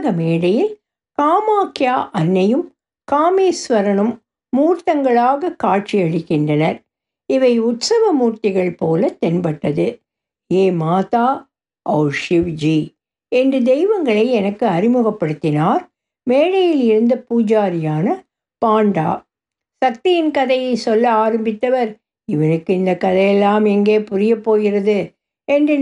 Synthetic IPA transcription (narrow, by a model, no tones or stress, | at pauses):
ɣɐmeːɽɐjɪl | kaːmaːkjaːʔɐnːɐjɯm | kaːmeːsʋɐɾɐɳɯmː | uːɾt̪ɐŋɡɐɭaːɣɐkːaːʈ̚t͡ʃiɐɻɪkːɪndrɐnɐɾ | ɪʋɐɪʊt̪sɐʋɐmuːɾt̪ɪɣɐɭpoːlɐt̪ɛnbɐʈːɐðɯ | eːmaːt̪aː | ʔɐːʂɪʋd͡ʒi | ɛndrɯd̪ɛɪʋɐŋɡɐɭɐɪɛnɐkːɯɐɾɪmɯɣɐpːɐɽɯt̪ːɪnaːɾ | meːɻɐjɪlɪɾɯnd̪ɐpuːd͡ʒaːɾɪjaːnɐ | paːɳɖa̰ː | sɐk̚t̪ɪjɪnkɐðɐjɐɪsɔlːɐaːɾɐmbɪt̪ːɐʋɐɾ | ɪʋɐnɯkːɯɪnd̪ɐkːɐðɐjɛlːaːmɛŋɡeːpʊɾɪjɐpːoːɣɪrɐðɯ | ɛndrɯ